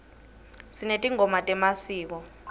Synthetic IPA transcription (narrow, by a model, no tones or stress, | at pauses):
sinetʼiŋɔmatʼɛmasiːk̬ɔ